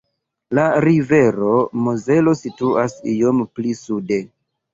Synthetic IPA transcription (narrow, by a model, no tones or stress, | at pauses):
laɾive̞ɾo̞moze̞lo̞situʔasijo̞mplisude̞